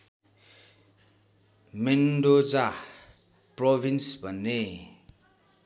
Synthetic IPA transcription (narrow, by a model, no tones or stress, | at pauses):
menɖod͡za | probʱinsbʱʌnːe